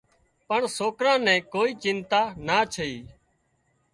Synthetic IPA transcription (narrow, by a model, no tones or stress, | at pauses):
pəɳsoːkɾãːnɛ̃ːkoːiːt͡ʃɪnt̪aːnaːt͡ʃʰəiː